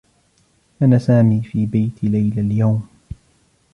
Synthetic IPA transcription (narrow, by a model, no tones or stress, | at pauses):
ʔanasaːmiːfiːbajt̪ʰɪlajlaljawm